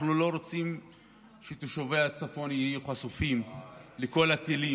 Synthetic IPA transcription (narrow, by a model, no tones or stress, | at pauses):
nulo̞ɾot͡sim | ʃet̪uʃoveat͡safo̞njijuχasufimleko̞lat̪ili